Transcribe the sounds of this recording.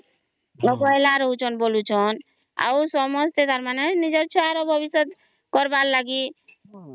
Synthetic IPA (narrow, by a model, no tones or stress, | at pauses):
ɔɡɔelaɾɔɦut͡ʃʰɔnbolut͡ʃʰɔn | a̰wsɔmɔst̪et̪aɾmanenid͡ʒɔɾt͡ʃʰɔaɾɔbʱɔbisɔt̪ | kɔɾballaɡi